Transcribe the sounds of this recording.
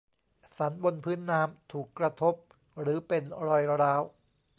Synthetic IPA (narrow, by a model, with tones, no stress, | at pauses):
sa˩˦nbo˧npʰɯː˦˥nːaː˦˥mt̪ʰuː˨˩kːɾa˧t̪ʰo˦˥p̚ | ɾɯː˩˦pe˧nɾɔː˧jɾaː˦˥w